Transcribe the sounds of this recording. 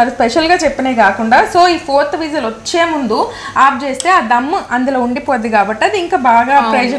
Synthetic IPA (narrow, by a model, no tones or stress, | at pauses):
aɾuspeʃɐlɡaːt͡ʃepːineːkaːkuɳɖaːso̞ːiːpʰoːɾt̪ʋiːd͡ʒɐlʋot͡ʃːe̞ːmund̪u | aːp̚t͡ʃe̞ːst̪e̞ːaːd̪ɐmːɐʔɐnd̪uloːuɳɖipoːd̪iɡaːbɐʈːɐd̪iːŋkaːbaːɡaːpɾeːd͡ʒɐ